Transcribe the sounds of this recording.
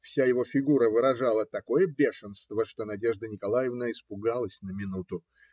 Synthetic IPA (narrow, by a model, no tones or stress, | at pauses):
fsʲajɪvo̞fʲɪɡuɾəvɨɾɐʐɑlˠət̪ɐko̞jəbʲeʂɨnst̪vəʂt̪o̞nɐdʲe̞ʐd̪ənʲɪkɐlˠajɪvnəɪspʊɡalˠəsʲnəmʲɪnut̪ʊ